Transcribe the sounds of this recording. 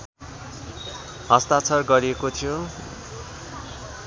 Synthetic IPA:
ɦʌst̪at͡sʰʌrɡʌɾiekot̪ʰijo

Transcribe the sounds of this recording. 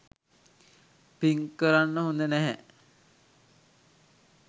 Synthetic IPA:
piŋkːəɾanːəɦund̪ənɛɦɛ

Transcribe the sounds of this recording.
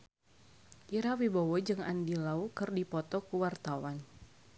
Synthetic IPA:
ʔiɾawibɔwɔd͡ʒɨŋa̰ndilaukɨrdipɔt̪ɔkuwart̪awan

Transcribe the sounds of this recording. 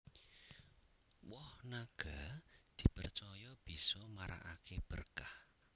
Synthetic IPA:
wɔhnaɡ̥ad̪̥i̤pərt͡ʃɔjɔb̥i̤sɔmaɾa̰ʔakeb̥ərkah

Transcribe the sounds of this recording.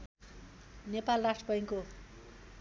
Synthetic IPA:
nepalrasʈrpʌjiŋko

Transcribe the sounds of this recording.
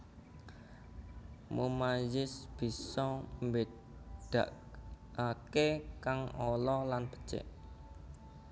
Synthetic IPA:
mumajɪsb̥i̤sɔmbe | d̪̥ä̤ʔ | akekaŋɔlɔlanb̥ə̤̥t͡ʃḛʔ

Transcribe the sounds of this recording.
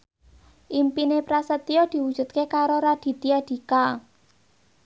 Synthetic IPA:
ʔimpinepɾasət̪iɔd̪̥i̤wud̥ʒ̥ṳt̪̚kekaɾoɾad̪̥i̤t̪iad̪̥i̤ka

